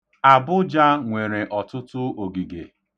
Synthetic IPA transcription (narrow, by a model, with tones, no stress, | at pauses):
a˨bʊ˦d͡ʒa˦ŋʷe˨ɾe˨ʔɔ˨tʊ˦tʊ˦o˨ɡi˨ɡe˨